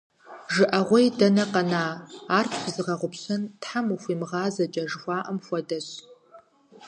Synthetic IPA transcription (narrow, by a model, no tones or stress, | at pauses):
ʒɨʔɐʁʷɔjdɐnɐqɐnaːaːrpʰzɨʁɐʁʷʊpɕɐntħamuxʷiːmʁɑːzɐt͡ʃʼɐʒxʷɑːʔɐmxʷɔdɐɕ